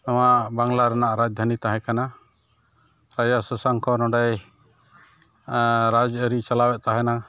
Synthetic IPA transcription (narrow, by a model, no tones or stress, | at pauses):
nawaʔbaŋlaɾanaʔɾad͡ʒd̪ʱanit̪aɦɛ̃kana | ɾajasɔsaŋkʰɔnɔ̃ɖɛj | ɾad͡ʒəɾit͡ʃalawɛʔ̚t̪aɦɛna